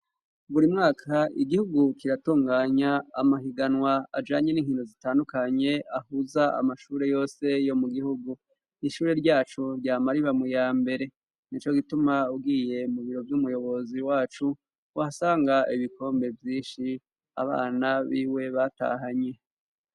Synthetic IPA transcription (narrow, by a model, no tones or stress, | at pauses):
βuɾimŋaːkʰaiɡihuɡukiɾatuːŋɡaːɲaːmaɦiɡanwaa̰d͡ʒaːɲe̞niːŋhindo̞zitaːndukaɲe̞ahuzaa̰maʃuːɾe̞jo̞ːse̞jo̞muɡihuɡu | niʃuːɾe̞ɾɟaːt͡ʃuɾɟaːmaɾiβamujaːmbe̞ɾe̞ | nit͡ʃo̞ɡitumauɡiːje̞muβiɾo̞vjumujo̞βo̞ziwaːt͡ʃu | ahasaːŋɡaiβiko̞ːmbe̞vjiːnʃi | a̰βa̰ːnaβiːwe̞βata̰ɦaɲe̞